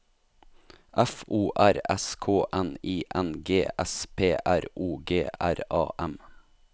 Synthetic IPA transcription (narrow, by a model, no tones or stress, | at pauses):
ʔɛfuːʔæɾɛ̰skʰoːʔɛniːʔɛnɡeːʔɛspʰeːʔæɾʔuːɡeːʔæɾɑ̰ːʔɛm